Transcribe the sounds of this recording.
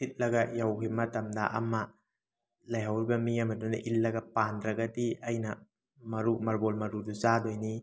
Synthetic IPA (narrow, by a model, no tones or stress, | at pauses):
sʰit̚lɐɡɐjawkʰimɐtɐmda̰ʔɐmɐ | lɐjɦawɾibɐmijamɐduna̰ʔilːɐɡɐpandɾɐɡɐdiɐjnɐ | mɐɾumɐɾbolmɐɾuduzadojni